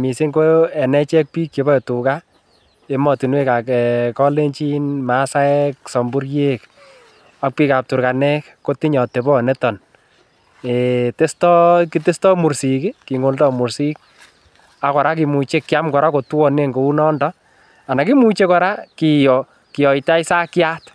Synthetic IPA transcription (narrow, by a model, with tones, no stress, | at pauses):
mi˨se˦ŋɡo˦ɛ˨nɛ˦t͡ʃɛ˦k̚pi˦kjɔ˨bɔ˦ɔ˨tu˨ka˦ | e˦mɔ˨tu˨nwe˦ka˨kɛ˨kɔ˦le˦ɲt͡ʃi˦nmasa˦ɛksɔ˨mbu˦ɾje˦k | ak̚pi˦ka˨p̚tu˨ɾka˨nɛ˦kː | o˦ti˦ɲɔ˨te˨bɔ˦˨nɛ˦tɔ˨n | ete˦stɔ˦ki˦te˦stɔ˦mu˨ɾsi˨ki˦ki˨ŋo˨ldɔ˦mu˨ɾsi˦k̚ | a˨˦kɔ˨ɾa˦k̬i˨mu˨t͡ʃe˦kːɪa˦mkɔ˨ɾa˦ko˨twɔ˨ne˦ŋɡo˨u˦nɔ˦ndɔ | a˨na˨ki˦mu˨t͡ʃe˦kɔ˨ɾa˦ki˨jɔ | kɪ˨jɔ˨jta˦i˦sa˦kja˦t